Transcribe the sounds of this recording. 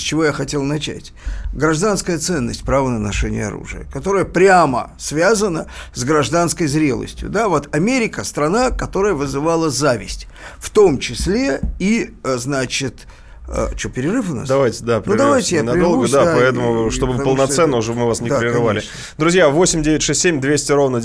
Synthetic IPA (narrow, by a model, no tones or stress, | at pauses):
sʲt͡ɕɪvo̞jaxɐtʲe̞lˠnɐt͡ɕæ̰tʲɡɾɐʐd̪anskəjət̪sɛnːə̰sʲtʲpɾavənənɐʂɛnʲɪ̰jə̰ɐ̰ɾṵʐɨ̰jə̰kɐt̪o̞ɾəjəpɾʲamə̰svʲazənəzɡɾɐʐd̪anskəjzɾʲe̞lˠə̰sʲtʲjʊ̰d̪avo̞t̪ɐmʲeɾʲɪkəst̪ɾɐnakɐt̪o̞ɾəjəvɨzɨvalˠəzavʲɪ̰sʲtʲ | ft̪o̞mt͡ɕɪsʲlʲe̞iznat͡ɕɪt̪ | ə̰t͡ɕopʲɪɾʲɪrɨfʊna̰sd̪ɐvajtʲɪd̪apʲnʊɪd̪ɐvajtʲɪjjanɐd̪olˠɡəd̪apɐɛt̪əmʊʂt̪o̞bɨpəlˠnɐt̪sɛnːəʊʐɛbmɨvasnʲɪpɾʲɪrɨvalʲɪ | d̪ɾʊzʲjavo̞sʲɪmʲdʲevʲɪtʲʂɛsʲtʲsʲemʲd̪vʲesʲtʲɪɾo̞vnə